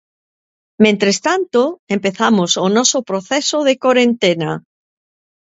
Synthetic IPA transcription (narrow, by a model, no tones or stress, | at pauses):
mẽnt̪ɾest̪ant̪oempeθamosonɔsopɾoθesoð̞ekoɾẽnt̪ena